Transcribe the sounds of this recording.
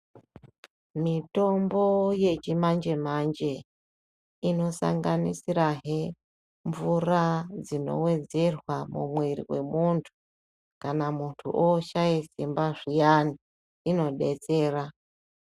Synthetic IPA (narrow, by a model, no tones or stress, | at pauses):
mito̞mbo̞je̞t͡ʃimand͡ʒe̞mand͡ʒe̞ | ino̞sa̰ŋɡanisiɾaɦe | ɱvurad͡zino̞̰we̞d͡ze̞rwamṵmwirḭwe̞̰muntʰu̥ | kanamuntʰṵʔoʃajisimbaʐijani | ino̞ɗe̞̰t͡se̞ːra